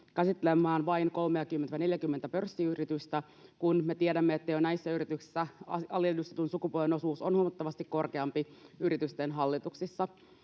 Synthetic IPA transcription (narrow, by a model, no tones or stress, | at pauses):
kæsit̪ːelemːˑæːnʋɑinko̞lmeɑkymːent̪æne̞ljækymːent̪æpørsːiyrit̪yst̪æ | kunme̞t̪ieɾæmːeet̪ːejonæisːæyɾit̪yksi̥sːæɑɑljedyst̪et̪unsukupolʋenosuːsonhuomɑt̪ːɑʋɑst̪ikko̞rkeɑmpiyɾit̪yst̪enɦɑlːit̪uksisːɑ